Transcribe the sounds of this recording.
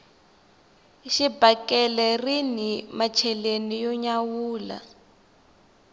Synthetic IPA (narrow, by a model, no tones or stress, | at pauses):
ʃibakɛlɛrinimat͡ʃʰɛlenijɔɲawuːla̰